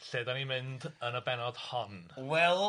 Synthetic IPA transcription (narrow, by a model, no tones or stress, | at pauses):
ɬeːdanimɪndənəbɛnɔd̥hɔnwɛlˠ